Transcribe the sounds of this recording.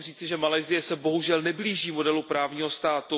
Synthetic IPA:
r̝iːt͡sɪʒɛmalɛjzɪjɛsɛbo̞ɦuʒɛlnɛbliːʒiːmo̞dɛlupɾaːvɲiːɦo̞st̪aːt̪u

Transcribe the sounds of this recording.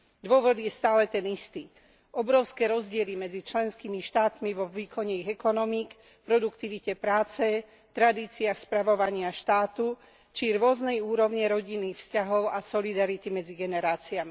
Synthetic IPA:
d̪ʊɔʋɔd̪jɛst̪aːlɛt̪ɛnist̪iː | ʔɔbɾɔʊskɛːɾɔzɟɪɛlimɛd͡zit͡ʃlɛnskimiʃt̪aːt̪miʋɔʋiːkʰɔɲɛiɣɛkɔnɔmik | pɾɔd̪ukt̪iʋicɛpɾaːt͡sɛ | t̪ɾad̪iːt͡siaxspɾaʋɔʋaɲɪaʃt̪aːt̪u | t͡ʃiɾʊɔznɛjuːɾɔʊɲɛɾɔɟinːiːxfscaɦɔʊasɔlid̪aɾit̪imɛd͡ziɡɛnɛɾaːt͡siami

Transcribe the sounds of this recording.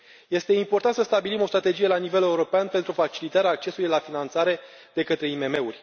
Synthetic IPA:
je̞st̪e̞impo̞rt̪ant̪səst̪abilimo̞st̪ɾat̪e̞d͡ʒije̞lanive̞le̞uɾo̞peanpe̞nt̪ɾufat͡ʃilit̪aɾeaːk̚t͡ʃe̞sulujlafinant̪saɾe̞ | d̪e̞kət̪ɾe̞ime̞me̞urʲ

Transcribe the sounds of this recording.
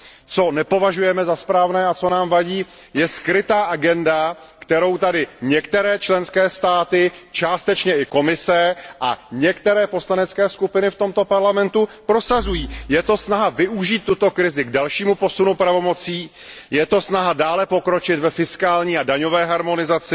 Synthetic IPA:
t͡so̞nɛpo̞vaʒujɛmɛzaspɾaːvnɛːat͡so̞naːmvaɟiː | jɛskɾɪt̪aːʔaɡɛnda | kt̪ɛɾo̞wt̪adɪɲɛkt̪ɛɾɛːt͡ʃlɛnskɛːst̪aːt̪ɪt͡ʃaːst̪ɛt͡ʃɲɛʔɪko̞mɪsɛʔa̰ɲɛkt̪ɛɾɛːpo̞slanɛt͡skɛːskupɪnɪft̪o̞mt̪o̞paɾlamɛnt̪upɾo̞sazujiːjɛt̪o̞snaɦavɪuʒiːt̪ːut̪o̞kɾɪzɪɡdalʃiːmupo̞sunupɾavo̞mo̞t͡siː | jɛt̪o̞snaɦadaːlɛpo̞kɾo̞t͡ʃɪt̪vɛfɪskaːlɲiːadaɲovɛːɦaɾmo̞nɪzat͡sɪ

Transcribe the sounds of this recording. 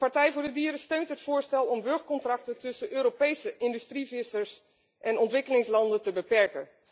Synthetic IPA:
pɑɹtɛjvʊːɹdədiːɾəstøɥntɦətfʊːɹstɛlˠɔmʋɵɹχkɔntrɑk̚tətɵsəʔøːɾopejsəʔɪndystrivɪsəɹs | ʔɛnɔntʋɪkəlɪŋslɑndəntəbəpɛɹkən

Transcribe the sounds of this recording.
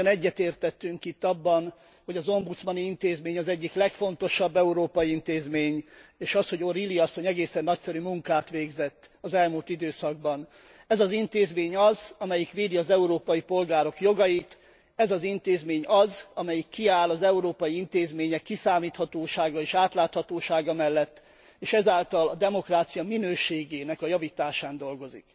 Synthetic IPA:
nɛɟːɛt̪eːrt̪ɛt̪ːyŋkit̪ːɒbːɒn | ho̞ɟɒzo̞mbut̪smɒniint̪eːzmeːɲɒzɛɟːiklɛkfo̞n̪t̪o̞ʃɒbːɛuɾoːpɒjiint̪eːzmeːɲeːʃɒsho̞ɟo̞ɾiliɒsːo̞ɲɛɡeːsɛnːɒcsɛɾymuŋkaːt̪ʋeːɡzɛt̪ːɒzɛlmult̪id̪øːsɒɡ̚bɒn | ɛzɒzint̪eːzmeːɲɒzɒmɛjikʋeːd̪iɒzɛuɾoːpɒjipo̞lɡaːɾo̞kjo̞ɡɒjit̪ | ɛzɒzint̪eːzmeːɲɒzɒmɛjikːiaːlɒzɛuɾoːpɒjiint̪eːzmeːɲɛkːisaːmiːt̪hɒt̪oːʃaːɡɒeːʃaːt̪laːt̪hɒt̪oːʃaːɡɒmɛlːɛt̪ː | eːʃɛzaːlt̪ɒlɒd̪ɛmo̞kraːt̪sijɒminøːʃeːɡeːnɛkɒjɒvit̪aːʃaːnd̪o̞lɡo̞zḭk

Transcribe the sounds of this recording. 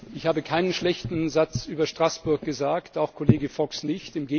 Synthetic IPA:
ɪçhaːbəkʰaɪnənʃlɛçtn̩zat͡sʔyːbɐʃtʁ̥asb̥ʊɐk̚ɡ̥əzaːktaʊxkʰoleːɡəfɔksnɪçtɪmɡeː

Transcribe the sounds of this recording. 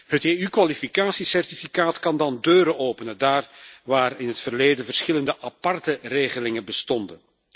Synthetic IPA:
ɦəteːykʋalifikaːsisɛrtifikaːtkɑndɑndøːɾəʔoːpənədaːrʋaːrɪnɦətfərleːdənvərsxɪləndəʔɑpɑrtəreːɣəlɪŋəbəstɔndən

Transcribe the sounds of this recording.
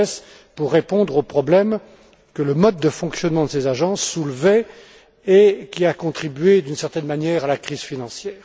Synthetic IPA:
ɛs | puʁːepɔ̃d̪ʁopχɔblɛm | kələmɔd̪̚ːəfɔ̃ksjɔnmɑ̃d̪əsezaʒɑ̃sːulvɛ | ekʲiakɔ̃t̪χibɥed̪ynsɛʁt̪ɛnmanjɛːʁalakχizfinɑ̃sjɛːʁ

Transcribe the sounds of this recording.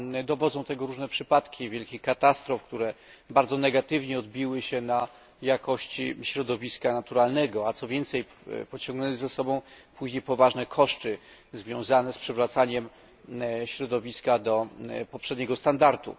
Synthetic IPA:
d̪ɔvɔd̪zɔ̃w̃t̪ɛɡɔɾuʐnɛpʂɘpat̪kʲʰivʲjɛlkʲixkat̪ast̪ɾɔfkt̪uɾɛ | baɾd̪zɔnɛɡat̪ɘvɲɛɔd̪̚bʲiwɘɕɛna | jakʰɔɕt͡ɕiɕɾɔd̪ɔvʲiskanat̪uɾalnɛɡɔat̪sɔvʲjɛnt̪sɛj | pɔt͡ɕɔ̃ŋɡnɛnɘzasɔbɔ̃w̃puʑɲejpɔvaʐnɛkʰɔʂt͡ʂɘzvʲjɔ̃w̃zanɛspʂɛvɾat̪saɲɛm | ɕɾɔd̪ɔvʲiskad̪ɔpɔpʂɛd̪ɲɛɡɔst̪and̪aɾt̪ṵ

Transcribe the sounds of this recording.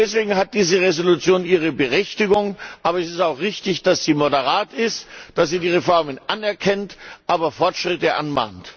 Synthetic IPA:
d̥ɛsv̥eːɡŋ̩ɦat̚d̥iːzəʁezolut͡sjoːniːʁ̞əbəʁɛçtɪɡʊŋʔaːbɐɛsɪstaʊxʁɪçtɪçd̥asz̥iːmodəʁaːtɪstd̥asz̥iːdiːʁefɔɐmənʔanɛɐkʰɛntʔaːbɐfɔɐtʃʁ̥ɪtəʔa̰nma̰ːnt

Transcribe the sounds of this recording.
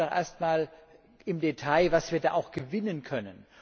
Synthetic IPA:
ɔχʔḛɐstmaːl | ɪmdetʰaɪvasv̥iːɐda̰ːʔaʊxɡ̥əvɪnənkʰœnən

